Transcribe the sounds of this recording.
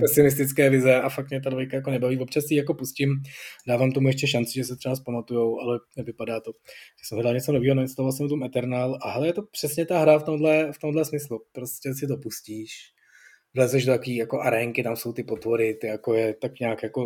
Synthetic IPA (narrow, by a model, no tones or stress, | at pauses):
pɛsɪnɪs̬t̪ɪt͡skɛːvɪzɛafak̚t̪mɲɛt̪̬advojkajakonɛbaviːvo̞pt͡ʃasɛijako̞puscɪmdaːvaːmt̪omujɛʃcɛʃant͡sɪʒɛsɛt̪r̥ɛvaspamat̪ujowʔalɛnɛvɪpadaːt̪o̞ʒ̥ɛsɛmɦɛdalɲɛt͡so̞no̞viːɦonaɲɛst̪aovalsɛmt̪umɛt̪ɛɾnaːlʔaɦɛlɛjɛt̪o̞pr̝̥ɛsɲɛt̪aɦɾaft̪o̞mdlɛft̪o̞mdlɛsmɪslupɾoscɛsɪt̪̬opusciːʃ | vlɛzvɛʒdot̪akoviːjakoʔaɾɛŋkɪt̪amso̞wt̪ɪpo̞t̪voɾɪt̪ɪjakojɛt̪akɲaːkjako̞